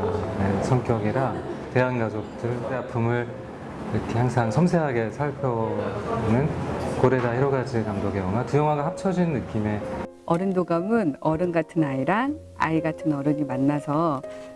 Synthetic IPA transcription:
nesʰʌŋk͈jʌɡiɾate̞ɦanɡasʰok̚t͈ɯɭteapʰɯmɯɭ | iɾʌkʰe̞haŋsʰaŋsʰʌmsʰe̞ɦaɡe̞sʰaɭpʰjʌnɯnkoɾe̞daheɾoɡad͡ʑikamdoɡejʌŋatujʌŋwaɡahap̚t͡ɕʰʌd͡ʑinnːɯk͈ime̞ | ʌɾɯndoɡamɯnʌɾɯnɡatʰɯnaiɾaŋ | a̰iɡatʰɯnʌɾɯɲimanːasʰʌ

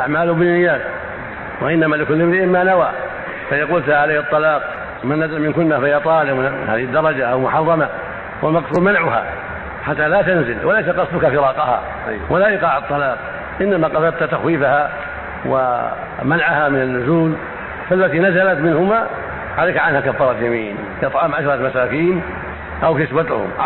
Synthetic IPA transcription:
ʔaʕmaːlʊbɪnːɪjːaːk | waʔɪnːamaːlɪkʊlːɪmɾɪʔɪmːanawaː | fajɑquːlt̪ʕalaːkɑt̪ˤːɑlɑːq̚ | manːazalmɪnkʊnːafajat̪ˤɑːlɪqhaːðɪhɪd̪ːɑɾˤɑd͡ʒaʔawmʊħɑrˤːɑma | wʔamɑqsulmanʕʊha̰ | ħat̪ːalaːt̪anzɪlwʔalajs̬aqɑsˤd̪ʊkafɪɾˤɑːqɑha̰ | walaʔɪqɑːʕɑt̪ˤːɑlɑːq̚ | ʔɪnːamaqɑsˤɑd̪̚t̪at̪axwiːfaha | wa̰ | manʕahamɪnanːʊzuːl | falːat̪iːnazalat̪mɪnhʊma | ʕaleːkʕanhakafːɑːɾˤɑt̪jamiːn | ʔɑt̪ˤʕɑːmʕaʃɾˤɑmasaːkiːn | ʔawkɪsbat̪ʊ̰hʊ̰m

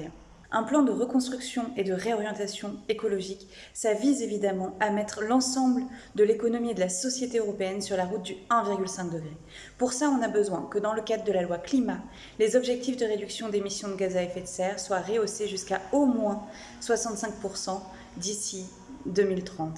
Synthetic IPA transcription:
ɛ̃ | ʔɛ̃plɑ̃d̪əʁəkɔ̃st̪χyksjɔ̃ed̪əʁeɔʁjɑ̃t̪asjɔ̃ekɔlɔʒik | savizevid̪amɑ̃amɛt̪χlɑ̃sɑ̃bl | d̪əlekɔnɔmied̪əlasɔsjet̪eøʁɔpeɛnsyʁlaʁut̪̚d̪yɛ̃viʁɡʲylsɛ̃ŋk̚d̪əɡʁe | puʁsaɔ̃nabəzwɛ̰̃kəd̪ɑ̃ləkad̪ʁəd̪əlalwaklima | lezɔbʒɛk̚t̪ifd̪əʁed̪yksjɔ̃d̪emisjɔ̃d̪əɡʲazaɛfɛt̪sɛʁswaʁeoseʒyskaomwɛ̃ | swasɑ̃t̪sɛ̃k̚puʁsɑ̃ | d̪isi | d̪əmilt̪χɑ̃t̪

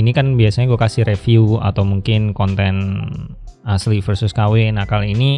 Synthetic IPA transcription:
inikanbiasaɲaɡuakasɪɾefiua̰t̪awmuŋkɪnkɔnt̪ɛn | aslifərsʊskawɪnahkaliːni

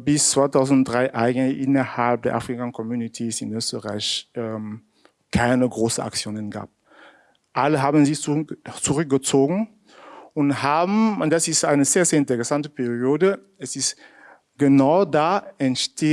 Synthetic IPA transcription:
bɪst͡sv̥aɪtaʊznd̥ʁaɪʔaɪɡəntlɪçʔɪnɐhalp̚d̥eːɐʔa̰fʁ̥ikakʰɔmjuːnitʰiːsɪnøːstəʁaɪçʔɛm | kʰaɪnəɡʁoːsən̩a̰k̚t͡sjoːnənɡa̰ːp̚ | ʔaləɦaːbn̩zɪçt͡suʁʏk̚ɡ̥ət͡soːɡŋn̩ | ʊnthaːbm̩ʊntd̥asɪstʔaɪnəzeːɐzeːɐɪ̃ntəʁɛsantəpɛʁioːdə | ɛsɪst | ɡ̥ənaʊdaːɛntʃtʰeː

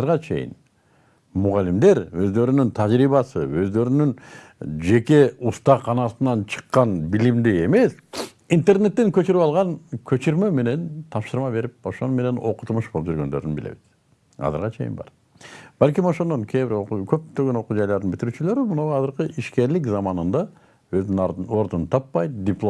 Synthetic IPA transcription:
ɯɾʁɑt͡ʃʰe̞̰jɪ̰n | muʁɑlimd̪e̞ɾø̞zd̪ø̞ɾynynt̪ʰɑd͡ʒɾijβɑsɯøzd̪ø̞ɾynyn | d͡ʒe̞ke̞ust̪ɑqʰːɑnɑsɯnɑnt͡ʃʰɯ̥qːɑnbilimd̪ie̞me̞s | int̪e̞rne̞t̪ːeŋkø̞t͡ʃyɾypɑlˠʁɑŋkʰø̞t͡ʃyɾmø̞me̞ne̞nt̪ʰɑpʃɯɾmɑbe̞ɾip̚o̞ʃo̞nume̞ne̞no̞̰qu̥t̪umuʃbo̞lˠup̚d͡ʒyɾɡø̞nd̪ø̞ɾnbɪlḛbiz̥ | ɑ̰zɨ̰ɾʁɑt͡ʃʰejɪ̰nbɑ̰ɾ | b̥ælʲkimo̞ʃo̞nd̪o̞ŋkʲʰeβɪɾokʰø̞p̚t̪øɡøno̞qud͡ʒɑjlˠɑɾd̪nbɪt̪iɾyːt͡ʃylø̞ɾymunoʁɑzɯɾqɯʔiʃke̞ɾlɪk̬zɑmɑnɯnd̪ɑ | øzd̪yno̞ɾd̪unt̪ʰɑpːɑjd̪ʲɪplˠo

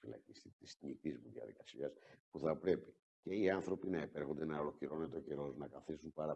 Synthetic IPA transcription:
ilɐ̰cist̪it̪isɲit̪izmuðiɐ̰ðḭkɐsiɐspuθɐpɾe̞pi | ce̞iɐnθɾo̞pinɐepe̞ɾxond̪e̞nɐolo̞cliɾo̞net̪o̞ce̞ɾo̞znɐkɐθisumpɐɾɐ

